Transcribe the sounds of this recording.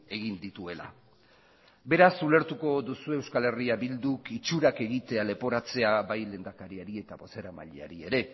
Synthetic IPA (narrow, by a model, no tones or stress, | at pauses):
e̞ɣind̪it̪ue̞la̰ | be̞ɾasule̞ɾt̪uko̞ðusue̞wskale̞riabild̪ukit͡ʃuɾake̞ɣit̪e̞ale̞po̞ɾat͡se̞abajle̞ːnd̪akaɾiaɾie̞t̪aβo̞se̞ɾama̰ʎea̰ɾie̞ɾe̞